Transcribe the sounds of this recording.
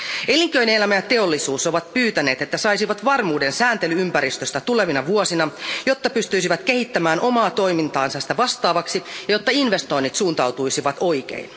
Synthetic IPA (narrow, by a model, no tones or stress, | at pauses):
e̞liŋkøjneelæmæjɑt̪e̞o̞lːisuːso̞ʋɑt̪̚pyːt̪æne̞ːt̪e̞t̪ːæsɑjsiʋɑt̪ʋɑrmuːde̞nsæːnt̪e̞lyympæɾist̪øst̪æt̪ule̞ʋinɑʋuosinɑjo̞t̪ːɑpyst̪yisiʋæt̪k̟e̞hit̪ːæmæːnʔo̞mɑːt̪o̞jmint̪ɑːnsɑsi̥t̪æʋɑst̪ɑːʋɑksijɑjot̪ːɑinʋe̞st̪o̞inːit̪suːnt̪ɑwt̪ujsiʋɑt̪o̞jk̟ḛin